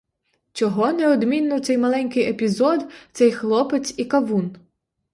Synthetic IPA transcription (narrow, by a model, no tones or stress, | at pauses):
t͡ʃɔɦɔnɛɔd̪mʲinːɔwt̪sɛjmɐlˠɛnʲkɪjepʲizɔd̪t̪sɛjxlˠɔpet͡sʲikɐʋun